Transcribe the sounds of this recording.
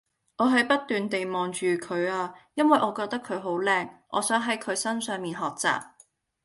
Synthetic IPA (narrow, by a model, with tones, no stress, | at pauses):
ʔɔː˨˧ɦɐ˨˥jpɐ˥t̪ːyː˨nt̪e˨jmɔː˨ŋt͡ʃyː˨kʰɵ˨˧ɥaː˧jɐ˥nwɐ˨jʔɔː˨˧kɔː˧k̚t̪ɐ˥kʰɵ˨˧ɥɦo˨˥wlɛː˧ŋʔɔ̰ː˨˧sœː˨˥ŋɦɐ˨˥jkʰɵ˨˧ɥsɐ˥nsœː˨˧ŋmiː˨nɦɔː˨k̚t͡sa̰ː˨p̚